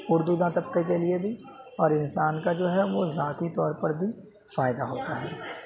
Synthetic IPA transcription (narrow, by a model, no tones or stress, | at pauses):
ʊɾd̪ud̪ãt̪ɐpkekeliebʱi | ɔːɾɪnsaːnkad͡ʒoːɦɛʋozaːt̪it̪ɔːɾpɐɾbʱi | faːɪd̪aɦoːt̪aɦɛː